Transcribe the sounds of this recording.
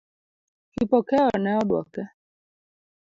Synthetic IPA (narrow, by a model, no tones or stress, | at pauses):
kipɔkɛɔnɛɔɗwɔkɛ